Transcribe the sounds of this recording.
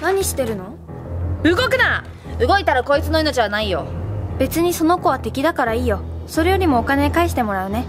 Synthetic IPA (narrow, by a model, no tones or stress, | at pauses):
naɲ̟iɕi̥t̪e̞ɾɯ̟no̞ | ɯ̟ɡo̞kɯ̟na | ɯɡo̞it̪aɾako̞it͡sɨno̞ino̞t͡ɕiβanaijo̞̰be̞t͡sɨɲ̟iso̞no̞ko̞β̞at̪e̞kʲid̪akaɾaiːjo̞ | so̞ɾe̞jo̞ɾʲimo̞ːkane̞kaiɕi̥t̪e̞mo̞ɾaɯ̟ne̞